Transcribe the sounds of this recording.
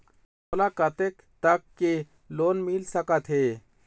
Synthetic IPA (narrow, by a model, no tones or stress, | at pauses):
mmʊlakat̪ek | t̪əkːe | loːnmilsəkat̪ɦeː